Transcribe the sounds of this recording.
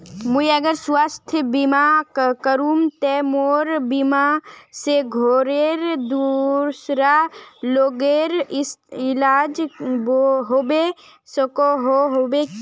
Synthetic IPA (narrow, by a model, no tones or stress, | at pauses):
muiəɡəɾswast̪ʰjbimakəɾumt̪ɛmoɾbimaseɡʱoːɾeɾd̪uɾsɾaloːɡeɾɪsɪlaːd͡ʒboɦobe | səkoɦoɦobe